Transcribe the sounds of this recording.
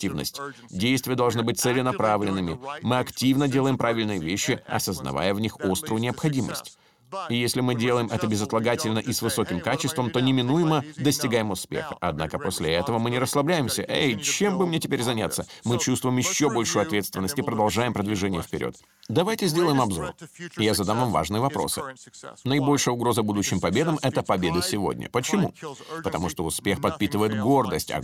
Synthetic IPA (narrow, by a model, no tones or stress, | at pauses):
tʲivnə̰sʲtʲ | dʲejst̪vʲɪjəd̪ɐlˠʐnɨbɨt̚ʲt̪sɛlʲɪnɐpɾavlʲɪnːɨmʲɪmɨɐktʲivnədʲe̞lˠəjɪmpɾavʲɪlʲnɨjəvʲeɕːɪɐ̰səznɐ̰va̰jəvnʲixo̞st̪ɾʊjʊnʲɪəpxɐdʲimə̰sʲtʲ | ijesʲlʲɪmɨdʲelˠəjɪmʔɛt̪əbʲɪzɐt̪lˠɐɡatʲɪlʲnəʔisvɨso̞kʲɪmkat͡ɕɪst̪vəmt̪o̞nʲɪmʲɪnujɪməd̪əsʲtʲɪɡajɪmʊspʲḛxəʔɐd̪na̰kəpo̞sʲlʲɪɛt̪əvəmɨnʲɪɾəslˠɐblʲæjɪmsʲəʔejt͡ɕembɨmnʲetʲɪpʲeɾʲzɐnʲat̪sːəmɨt͡ɕust̪vʊjɪmjɪɕːobo̞lʲʂʊjʊɐt̪vʲet̪st̪vʲɪnːəsʲtʲɪpɾəd̪ɐlˠʐajɪmpɾəd̪vʲɪʐɛnʲɪjəfpʲɪɾʲʔo̰t̪ | d̪ɐvajtʲɪzʲdʲelˠəjɪmɐbzo̞̰rɪjazɐd̪amvamva̰ʐnɨəvɐpɾo̞̰sɨ̰nəɪbo̞lʲʂɨjəʊɡɾo̞zəbud̪ʊɕːɪmpɐbʲe̞d̪əmɛt̪əpɐbʲe̞d̪əsʲɪvo̞̰dʲnʲə̰pət͡ɕɪmṵpət̪ɐmuʂt̪oʊspʲe̞xpɐt̪̚pʲit̪ɨvəjɪt̪ɡo̞rd̪əsʲtʲɐ̰